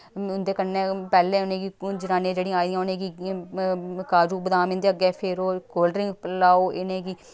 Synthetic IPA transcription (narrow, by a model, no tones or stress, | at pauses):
ʊnd̪eːkənːẽːpɛːlẽːʊnẽːɡid͡ʒɪnaːnẽːd͡ʒeːɽĩãaːid̪ijãːʊnẽːkĩ | kaːd͡ʒuːbəd̪ãːmɪ̃ːnd̪eːəɡɛːpʰeːɾoːkoːlɖɾɪ̃ŋɡplaːoːɪnẽːɡiː